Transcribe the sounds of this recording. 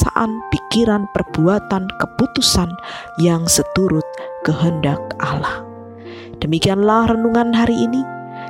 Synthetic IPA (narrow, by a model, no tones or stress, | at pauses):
a̰ʔa̰npikiɾanpərb̥uat̪ankəput̪usan | jaŋsət̪uɾʊt̪̚kəɦəndak̚ʔalah | d̥əmikianlahrənuŋanɦaɾiʔini